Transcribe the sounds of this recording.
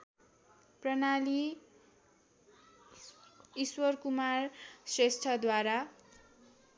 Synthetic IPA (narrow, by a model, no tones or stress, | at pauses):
prʌnali | iswʌrkumarsrest̪ʰʌd̪waɾa